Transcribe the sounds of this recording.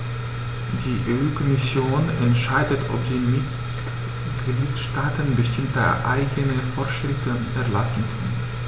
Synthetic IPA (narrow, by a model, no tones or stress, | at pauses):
d̥iːʔeʔuːkʰɔmɪsjoːnɛntʃaɪdətʰʔɔ̰pz̥iːmɪt | ɡɡ̥liːtʃtaːtənbəʃtɪmtə̰ʔa̰ɪɡənəfɔɐtʃʁ̥ɪftə | ɛɐlasn̩kʰœ̰n